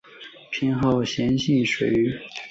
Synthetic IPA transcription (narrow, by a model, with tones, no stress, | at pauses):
pʰi˧˥nxɑ˥˩ʊɕjɛ˧˥nɕi˥˩ʂwe˨˩ɪy˧˥